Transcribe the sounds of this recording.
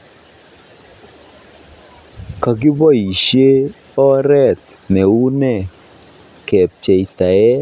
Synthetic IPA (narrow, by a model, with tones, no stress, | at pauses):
ka˨ɡɪ˦bɔ˦i˨ʃje˦ | ɔ˦ɾɛ˦˨t̪ | nɛ˨u˦nɛ˦˨ | kɛ˨p̚t͡ʃe˨i˨t̪a˨ɛ˦